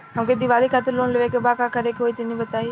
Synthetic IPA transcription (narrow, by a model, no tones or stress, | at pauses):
ɦɐmked̪ɪʋaːlikʰaːt̪ɪɾloːnleʋekebaːkakɐɾekoːit̪ɪnĩbɐt̪aːi